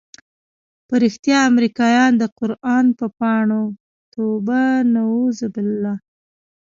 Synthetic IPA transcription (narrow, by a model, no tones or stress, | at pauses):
pəɾixt̪jɑamɾikɑjɑnd̪əqʊɾɑnpəpɑɳo | t̪obanawuzabɪlːɑ